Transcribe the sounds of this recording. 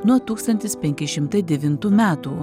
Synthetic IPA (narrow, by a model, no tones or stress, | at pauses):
nuɔt̪uːkst̪ɐnʲt̪ʲɪspʲɛŋʲkʲɪʃʲɪmt̪ɐɪd̪ʲɛʋʲɪnt̪uːmʲæːt̪uː